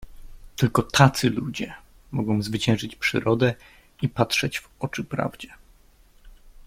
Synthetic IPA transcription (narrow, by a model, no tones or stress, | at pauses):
t̪ɘlkɔt̪ʰat̪sɘlud͡ʑɛ | mɔɡɔ̃w̃zvɘt͡ɕɛ̃w̃ʐɘt͡ɕpʂɘ̰ɾɔd̪ɛ | ipatʂɛd͡ʑvɔt͡ʂɘpɾa̰vd͡ʑɛ